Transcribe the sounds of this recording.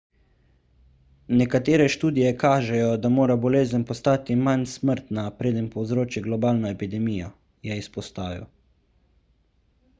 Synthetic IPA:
nɛkat̪eːɾɛʃt̪uːd̪ijɛkaːʒɛjɔd̪amoːɾabɔleːzənpɔst̪aːt̪imansməɾt̪napɾeːd̪ənpɔwzɾoːt͡ʃiɡlɔbaːlnɔɛpid̪ɛmiːjɔ | jɛispɔst̪aːʋḭw

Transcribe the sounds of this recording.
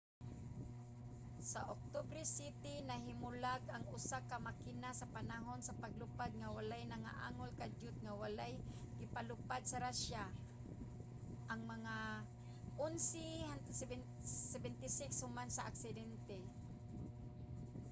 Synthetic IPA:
saʔok̚t̪obɾɪsit̪ɪnaɦɪmʊlaɡaŋʊsakamakɪnasapanaɦonsapaɡ̚lʊpad̪̚ŋawalajnaŋa̰ʔa̰ŋolkad͡ʒʊt̪̚ŋawalaj | ɡɪpalʊpad̪saɾaʃa | ʔaŋmaŋa | ʔʊnsɪhansb | sɛbɛnt̪ɪsɪkshʊmansaʔaksɪd̪ɛnt̪ɛ

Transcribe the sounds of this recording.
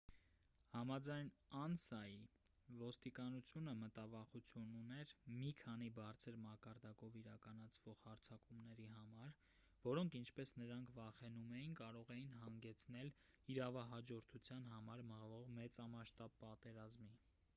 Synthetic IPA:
hɑmɑd͡zɑjnɑnsɑji | vɔst̪ikɑnut͡sʰjunəmət̪ɑvɑχut͡sʰjununɛɾmikʰɑnibɑɾt͡sʰəɾmɑkɑɾd̪ɑkɔviɾɑkɑnɑt͡sʰvɔʁhɑɾt͡sʰɑkumnɛɾiɦɑmɑɾ | vɔɾɔŋkʰint͡ʃʰpɛsnəɾɑŋkʰvɑχɛnumɛjinkɑɾɔʁɛjinɦɑŋɡɛt͡sʰnɛliɾɑvɑɦɑd͡ʒɔɾt̪ʰut͡sʰjɑnɦɑmɑɾməʁvɔʁmɛt͡sɑmɑʃt̪ɑb̚pɑt̪ɛɾɑzmi

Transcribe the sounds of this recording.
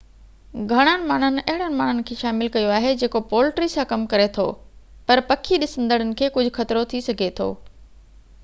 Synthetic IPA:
ɡʱɐɽ̃ənɪ̆maːɳ̤ənɪ̆ʔɐɦɪɽ̃ənɪ̆maːɳ̤ənɪ̆kʰeːʃaːmɪlkɐjoaːɦed͡ʑeːkopoːlʈɾisãkɐmkɐɾet̪ʰo̰ːpɐɾpɐkʰiɗɪsə̃nd̪əɽ̃ənɪ̆kʰeːkʊd͡ʑʱʊxɐt̪ɪɾot̪ʰisɐɡʱet̪ʰo̰ː

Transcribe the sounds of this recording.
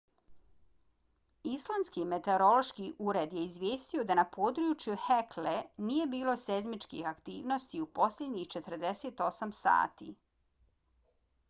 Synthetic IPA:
islˠanskime̞t̪e̞oɾo̞lo̞ʃkiʔuːɾe̞d̪je̞izʋʲje̞ːst̪io̞d̪anapʰoːd̪ɾut͡ʃjuhekʰlenije̞biːlˠo̞sezmit͡ʃkḭxakt̪iːʋno̞st̪iupo̞slʲed̪ɲixt͡ʃe̞t̪r̩d̪eset̪o̞samsa̰ːt̪ḭ

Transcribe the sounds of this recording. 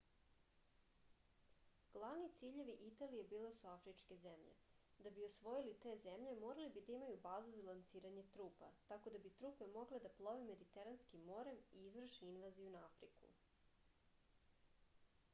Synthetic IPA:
ɡ̥lˠaʋnit̪siːʎe̞ʋiʔit̪alije̞biːlesuafɾit͡ʃke̞zemʎḛ | d̪abiosʋo̞jilit̪e̞ːzemʎe̞mo̞ːɾalibid̪aimajubaːzuzalˠansiːɾaɲe̞t̪ɾuːpa̰t̪ako̞d̪abit̪ɾuːpe̞mo̞ɡled̪aplˠo̞ʋeme̞d̪it̪e̞ɾanskimːo̞ɾe̞miizʋr̩ʃiinʋazijunaafɾḭkṵ

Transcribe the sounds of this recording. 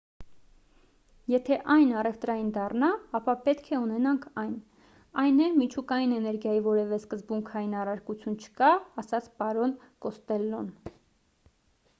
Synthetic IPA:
jɛt̪ʰɛʔɑjnɑrɛft̪ɾɑjind̪ɑrnɑːpɑpɛt̪kʰɛunɛnɑŋkʰɑjn | ɑjnɛlmit͡ʃʰukɑjinɛnɛɾɡjɑjivɔɾɛvɛskəzbuŋkʰɑjinɑrɑɾkut͡sʰjunt͡ʃʰə̥kɑɑsɑt͡sʰpɑɾɔn | kɔst̪ɛlːɔn

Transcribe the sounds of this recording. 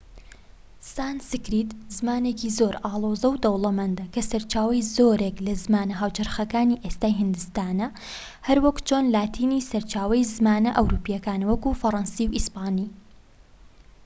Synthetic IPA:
saːnsɨkɾit̪zɨmaːnekizoːɾɑːlˠoːzɐwd̪ɐwlˠɐmɐnd̪ɐkʰɐsɐɾt͡ʃaːwɐjzoːɾeklɐzmaːnɐɦaːwt͡ʃʰɐɾxɐkaːniʔeːst̪aːjɦɨnd̪ɨst̪aːnɐ | hɐɾwɐkt͡ʃʰoːnlaːt̪ʰiːnisɐɾt͡ʃaːwɐjzɨmaːnɐʔɐwɾuːpijɐkaːnɐwɐkufɐɾˤɑnsiwʔispaːniː

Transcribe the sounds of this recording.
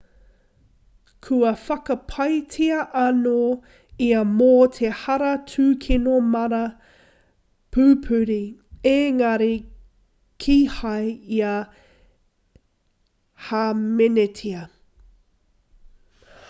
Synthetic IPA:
kʰʉɐfɐkɐpʰɐjtʰiɐʔɐno | iɐmoːtʰehɐɾɐtʰʉːkʰinomɐɾɐ | pʰʉːpʰʉɾieŋɐɾi | kʰiːhɐjiɐ | haːmenetʰiɐ

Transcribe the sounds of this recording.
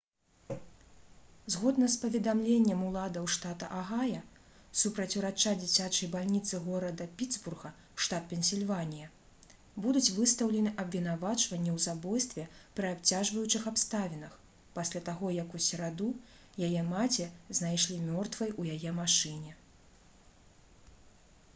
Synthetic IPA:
zɣɔd̪nɐspɐvʲɛd̪amlʲenʲːɛmulˠad̪ɐwʂt̪at̪ɐ̰ʔaɣajɐ | supɾɐt͡sʲuɾat͡ʂad͡zʲit͡sʲat͡ʂɐjbalʲnʲit̪sɨɣɔɾɐd̪ɐpʲid̪zburɣɐ | ʂt̪at̪̚pʲɛnsʲilʲvanʲijɐ | bud̪ut͡sʲvɨst̪ɐwlʲɛnɨʔɐbvʲin̪avat͡ʂvɐnʲːɛwzabɔjst̪vʲɛpɾɨapt͡sʲaʐvɐjut͡ʂɨxapst̪avʲɛnɐx | pasʲlʲat̪aɣɔjɐkusʲɛɾad̪u | jajɛmat͡sʲɛznajʂlʲimʲɔrt̪vɐjujajɛmaʂɨnʲɛ

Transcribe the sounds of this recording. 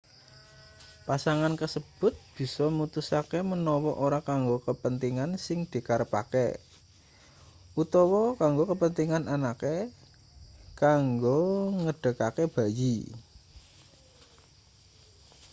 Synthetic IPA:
pasaŋankəsəb̥ʊ̤t̪̚b̥i̤sɔmut̪usakemənɔwɔʔoɾakaŋɡokəpənt̪iŋansɪŋd̪̥i̤kaɾəpa̰kḛ | ut̪ɔwɔkaŋɡokəpənt̪iŋananake | kaŋɡoŋəɖ̥ə̤kakeb̥a̤ji

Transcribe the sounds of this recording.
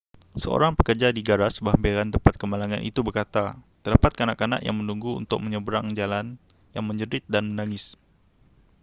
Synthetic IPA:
səo̰ɾaŋpə̥kərd͡ʒadiɡaɾasbambeɾant̪əmpat̪̚kəmalaŋa̰nʔḭt̪ubərkat̪at̪ərdapat̪̚kanakana̰ʔja̰ŋmənuŋɡuṵnt̪ʊk̚məɲəbəɾaŋd͡ʒalan | jaŋməɲd͡ʒəɾɪt̪̚danmənaŋɪs

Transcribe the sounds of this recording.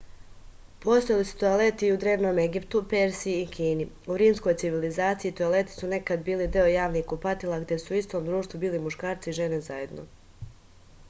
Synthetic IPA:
po̞st̪ojilisu̥t̪oale̞t̪iud̪ɾe̞ːʋno̞ːme̞ɡipt̪upe̞ɾsiːkʰiːni | uɾiːmsko̞jt̪siʋilizaːt̪siit̪oale̞t̪i̥sune̞kad̪biːlid̪e̞o̞jaːʋniːkupat̪ilˠaɡd̪je̞suist̪o̞ːmd̪ɾuːʃt̪vubiːlimuʃkaːɾt̪siʒe̞ne̞zaje̞d̪no̞̰

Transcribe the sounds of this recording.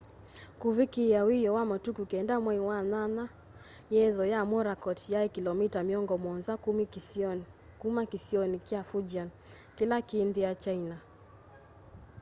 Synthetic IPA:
kuvikiawijɔwamɔtukukɛndamwɛiwanana | jɛðɔjamɔɾakɔtjaɛkilɔmitamiɔŋɡɔmɔnzakumiks | kumakisiɔnikjafud͡ʒiankilakiːndiat͡ʃaina

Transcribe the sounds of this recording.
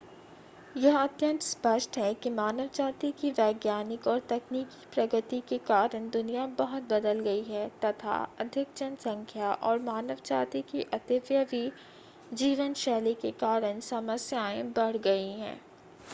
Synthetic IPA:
jɐɦɐt̪jə̃nt̪spɐʃʈɦɛkimaːnəʋt͡ʃaːt̪ikiʋɛːɡjaːnɪkɔːɾt̪ɐkniːkipɾɐɡət̪ikekaːɾəɳd̪ʊnijabɐɦʊt̪̚bɐd̪əlɡɐiɦɛt̪ɐt̪ʰa̰ɐd̪ʱɪk̚t͡ʃə̃nsɐ̃ŋkʰjaʔɔːɾmaːnəʋt͡ʃaːt̪ikiʔɐt̪ɪʋjəʋi | d͡ʒiːʋənʃɛːlekekaːɾəɳsɐməsjaːẽbɐɽ̤ɡɐiɦɛ̰̃ː

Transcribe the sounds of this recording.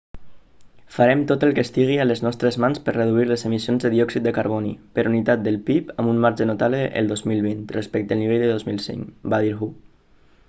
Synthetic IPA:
faɾɛmt̪ot̪əlˠkəst̪iɣ̞ialəznɔst̪ɾəzmanspərrəðuiɾləzemisionzðəðiɔksit̪̚d̪əkaɾβɔnḭpəɾunit̪at̪̚d̪əlˠpipəmunːaɾd͡ʒənot̪aβleʔə̰lˠd̪ozmilˠβ̞int̪rəspɛk̚t̪əlˠniβeʎðəðozmilˠsḭŋbaðiɾɣu

